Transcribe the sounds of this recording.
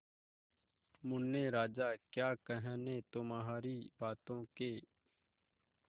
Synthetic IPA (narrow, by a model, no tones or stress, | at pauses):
mʊnːeːɾaːd͡ʒaːkjaːkəɦəːnẽːt̪oːmaɦaːɾiːbaːt̪õːkeː